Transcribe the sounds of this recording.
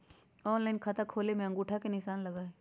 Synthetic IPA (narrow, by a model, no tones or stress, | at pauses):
ɔːnlaːɪnkʰɐt̪akʰoːlemẽɐ̃ŋɡuːʈʰakenɪʃaːnlɐɡaːe